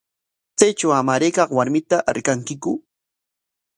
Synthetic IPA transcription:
t͡sajt͡ʃawamaɾejkɑqwaɾmɪt̪aʔaɾkaŋkɪkʊ

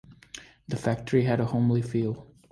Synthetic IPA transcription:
ðɨfæk̚tʰə˞iɨɾəhõʊ̃mlifilˠ

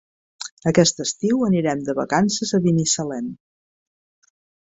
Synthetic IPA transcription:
əkɛst̪əst̪iwəniɾɛmd̪əβə̰kansəzəβinisəlɛm

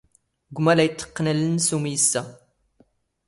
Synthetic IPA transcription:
ɡʷmælæjt̪ʰːə̥qːnælənsumijəsːæ

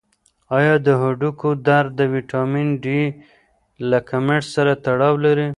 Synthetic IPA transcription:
ɑjɑd̪əɦʊɖukod̪aɾd̪əwiʈɑminɖi | lakʰameʈsaɾat̪aɽɑwlaɾi

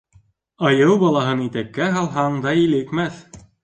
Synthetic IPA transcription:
ɑjɤwbɑlˠɑɦɤnit̪ækːæɦɑlˠɦɑɴd̪ɑilɘkmæθ

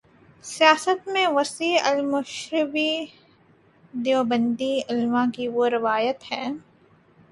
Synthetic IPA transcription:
sijaːsət̪mẽʋɐsiɐlmʊʃɾɪbi | d̪eobə̃nd̪iɪlmãkiʋoɾɪʋaːjət̪hɛː

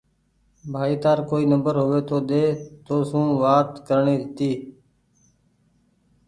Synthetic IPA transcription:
bʱaːiːt̪aːɾkoːiːnəmbəɾɦoːʋeːt̪oːd̪eːt̪oːsũːʋaːt̪kəɾɳiːɾɪt̪iː

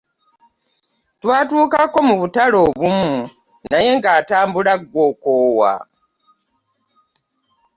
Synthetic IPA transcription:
twaːtuːkakːo̞muβutalo̞βumu | naje̞ŋɡaːtaːmbulaɡːwo̞koːwa̰

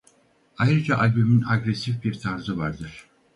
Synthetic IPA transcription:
ajɾɯd͡ʒaʔalʲbyminaɡɾesifbiɾt̪ʰaɾzɯvaɾd̪ɯɾ̥

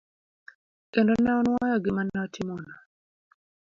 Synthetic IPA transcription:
kɛndɔnɛɔnwajɔɡɪmanaɔtʰimɔna

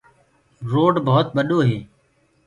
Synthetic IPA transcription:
ɾoːɖbəɦʊt̪̚ɓəɗoːɦeː

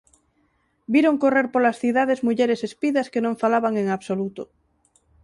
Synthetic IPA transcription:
biɾoŋkoreɾpolasθið̞að̞ezmuʎeɾesespiðɐskenõɱfalaβaŋeŋaβsolut̪o

